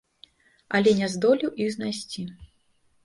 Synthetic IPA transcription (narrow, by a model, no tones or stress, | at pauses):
ɐlʲɛnʲɛzd̪ɔlʲiwʔiɣznajsʲt͡sʲi